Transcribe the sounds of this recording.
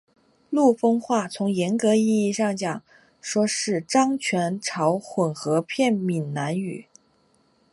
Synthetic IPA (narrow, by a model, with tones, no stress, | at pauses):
lu˥˩fɤ˥ŋxwa˥˩t͡sʰʊ˧˥ŋjɛ˧˥nkɤ˧˥i˥˧i˥˧ʂɑ˥˩ŋt͡ɕjɑ˨˩˦ŋ | ʂwɔ˥ʂɻ̩˥˩ʈ͡ʂɑ˥ŋt͡ɕʰɥɛ˧˥nʈ͡ʂʰɑ˧˥ʊxwə˨˩nxɤ˧˥pʰjɛ˥˩nmi˨˩nna˧˥ny̰˨˩˦